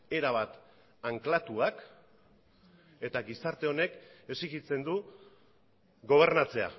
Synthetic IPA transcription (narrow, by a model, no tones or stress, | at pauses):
e̞ɾaβ̞at̪ | aŋklat̪uak | e̞t̪aɡisaɾt̪e̞o̞ne̞ke̞siɣit͡se̞nd̪u | ɡo̞β̞e̞ɾnat͡se̞a̰